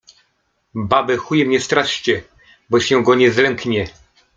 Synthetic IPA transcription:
babɛxujɛmɲɛst̪ɾaʂt͡ɕɛ | bɔɕɛ̃ɡɔɲɛzlɛŋkɲɛ

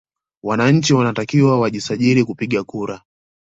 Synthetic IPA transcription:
wanaɲ̩t͡ʃiwanatakiwawaʄisaʄiɾikupiɠakuɾa

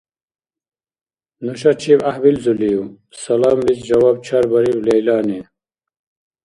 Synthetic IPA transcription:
nuɕɐt͡ɕʰibahwilzuliu | sɐlaːmlit͡sd͡ʑɐwaːb̚t͡ɕʰɐɾbɐɾiwlejlaːni

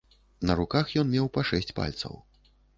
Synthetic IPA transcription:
nɐɾukaxjɔnmʲɛwpaʂɛsʲt͡sʲpa̰lʲt̪sɐ̰w

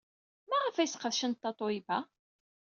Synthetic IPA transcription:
mæʁəfæjsqəðʃənt̪ːɑt̪ˤoibæ

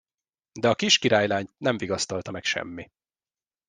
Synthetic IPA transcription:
d̪ɛɒkiʃkiɾaːjlaːɲt̪nɛɱviɡɒst̪ɒlt̪ɒmɛkʃɛ̰mːi

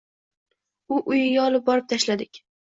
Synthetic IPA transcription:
ʊʔʊjɪɡʲaɒlɪp̚bɒɾɪp̚t̪ʰaʃlad̪ɪkʲ

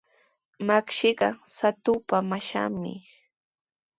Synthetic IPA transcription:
makʃɪɢɑsat̪ʊpamaʃa̰mɪ̰

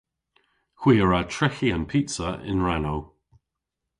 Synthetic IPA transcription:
xwiːəɹatʰɹ̥ɪxiə̃npʰiˑtsəʔɪ̰̃nɹanow

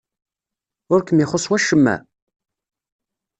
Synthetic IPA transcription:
ʊɾkəmiχosˤwæʃːəmːæ̰

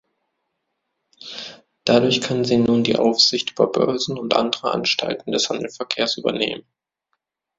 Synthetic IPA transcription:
d̥adʊɐçkʰanziːnuːndḭːʔa̰ʊfz̥ɪçtʔyːbɐbœɐzn̩ʊntʔa̰ndəʁəʔa̰nʃtʰa̰ltn̩dɛshandl̩fɛɐkʰeːɐsʔy̰ːbɐ̰nḛːmən

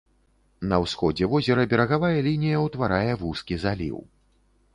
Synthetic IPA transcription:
nɐwsxɔd͡zʲɛvɔzʲɛɾɐbʲɛɾɐɣavajɐlʲinʲijɐwt̪vaɾajɛvuskʲizalʲḭw

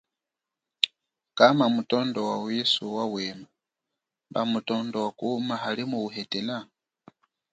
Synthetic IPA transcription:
kamamutondowawisuwawema | mba̰mutondowakumaɦalimuuɦetela

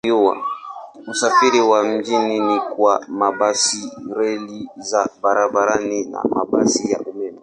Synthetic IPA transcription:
uwa̰m̩safiɾiwam̩d͡ʒininikwamabasiɾɛlizabaɾabaɾanina̰ma̰ba̰sija̰ʔumɛmɛ

